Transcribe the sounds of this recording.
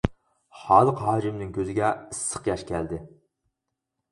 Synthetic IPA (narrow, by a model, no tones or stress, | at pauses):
χɑːlˠəqɦɑːʒɪmnɪŋkʲʰøzɪɡʲɛɨsːə̥qjɑʃkʲʰɛld̪ɪ